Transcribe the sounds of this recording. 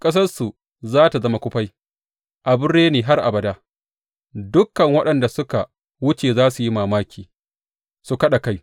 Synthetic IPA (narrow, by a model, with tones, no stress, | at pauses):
kʼɐ˦s̬ɐ˦rsu˨ | zaː˦ta˨zɐ˦ma˨kʷʊ˦ɸa˦j | ʔa˨bʊ˦ɽːeː˦neː˨ɦa˦rʔa̰˨bɐ˨daː˦ | dʊ˦kːɐ˨ŋwɐ˦ɗɐ˨nda˨sʊ˦ka˨ | wʊ˦t͡ʃeː˨zaː˦su˨ji˦maː˨maː˦kʲʰiː˨ | su˨kɐ˦ɗa˨ka˦j